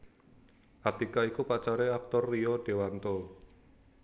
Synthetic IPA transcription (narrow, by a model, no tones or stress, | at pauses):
ʔat̪ikaikupat͡ʃaɾeak̚t̪ɔrːiɔɖ̥e̤want̪ɔ